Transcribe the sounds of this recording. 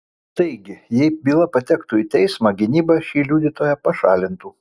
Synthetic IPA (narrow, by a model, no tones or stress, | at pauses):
t̪ɐɪɡʲɪjɛɪbʲiːlˠɐpɐt̪ʲɛkt̪uːiːt̪ʲɛɪsmɑːɡʲɪnʲiːbɐʃʲiːlʲuːd̪ʲit̪oːjɛpɐʃɑːlʲɪnt̪uː